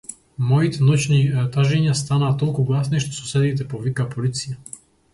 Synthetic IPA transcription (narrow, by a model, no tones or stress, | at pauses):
mɔjit̪ɛnɔt͡ʃnit̪aʒɛɲɪast̪anaːt̪ɔlʲkuɡlasnɛʃt̪ɔ̥susɛd̪iːt̪̬ɛpɔʋikapɔlit͡sija